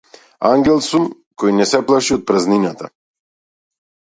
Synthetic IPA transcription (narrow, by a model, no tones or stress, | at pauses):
aŋɡɛlˠsum | kɔjnɛsɛplˠaʃiɔt̪̚pɾazninat̪a